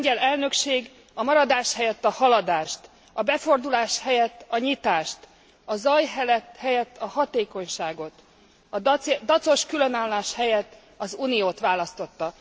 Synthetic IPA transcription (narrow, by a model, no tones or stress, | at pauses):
ɲɛlɛlnø̞kʃeːɡ | ɒmɒɾɒd̪aːʃhɛjɛt̪ːɒhɒlɒd̪aːʃt̪ | ɒbɛfo̞rd̪ulaːʃhɛjɛt̪ːɒɲit̪aːʃt̪ | ɒzɒjɦɛlɛt̪hɛjɛt̪ːɒhɒt̪eːko̞ɲʃaːɡo̞t̪ | ɒd̪ɒt̪so̞ʃkylø̞naːlːaːʃhɛjɛt̪ː | ɒzuːnijoːt̪ʋaːlɒst̪o̞t̪ːɒ